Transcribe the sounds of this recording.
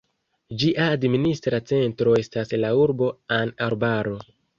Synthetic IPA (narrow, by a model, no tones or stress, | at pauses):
d͡ʒiʔaːdministɾat͡se̞ntɾo̞e̞staslauɾbo̞anaɾbaɾo̞